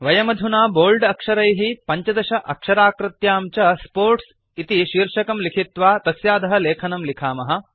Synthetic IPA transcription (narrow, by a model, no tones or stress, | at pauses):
ʋɐjɐmɐd̪ʱunaːboːlɖɐkʂɐɾɐjɦipɐɲt͡ʃɐd̪ɐʃɐʔɐkʂɐɾaːkɾɪt̪jaːmt͡ʃɐspoːɾʈs | it̪iʃiːɾʂɐkɐmlikʰit̪ʋaːt̪ɐsjaːd̪ɐɦɐleːkʰɐnɐmlikʰaːmɐɦɐ̆